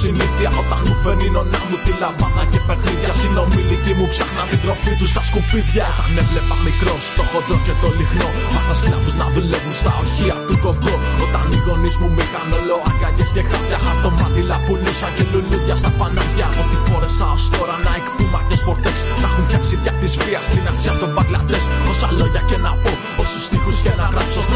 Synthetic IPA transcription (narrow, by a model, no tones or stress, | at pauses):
siliθiɐʔot̪ɐnufeɾinonamut̪ilavanacepeɾðicasino̞milicimupsɐxnat̪iðɾo̞fit̪ust̪ɐskupiθçɐnevlepɐmikɾo̞st̪oxod̪ɾocekolixnomɐsɐsklɐðuznɐðulevunst̪aoçiɐt̪utopjoot̪ɐnuʝo̞nizmumikanolo̞ɐŋɡaʝescekajaxɐt̪omɐðilɐpunusɐceluluʝɐst̪ɐpanɐðʝɐiboɾesɐost̪o̞ɾɐnɐekt̪umɐcespo̞ɾt̪eksnɐxunɐksit̪çɐt̪isvɾiɐst̪inɐsiɐst̪o̞bɐɣlɐd̪esosɐlo̞ʝɐcenapo | ost̪ust̪ixuscenaapso